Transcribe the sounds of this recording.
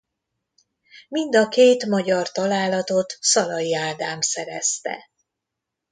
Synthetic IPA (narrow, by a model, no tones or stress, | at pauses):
mind̪ɒkeːt̪mɒɟɒrt̪ɒlaːlɒt̪o̞t̪sɒlɒjiaːd̪aːmsɛɾɛ̰st̪ɛ̰